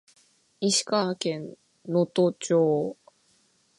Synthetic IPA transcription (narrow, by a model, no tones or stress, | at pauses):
iɕi̥kakẽ̞nː | ot̪ot͡ɕoː